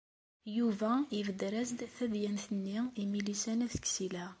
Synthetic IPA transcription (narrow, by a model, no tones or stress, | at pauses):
juvæivəd̪ɾæzd̪θæðjænθənːiimilisænæθə̥ksilæ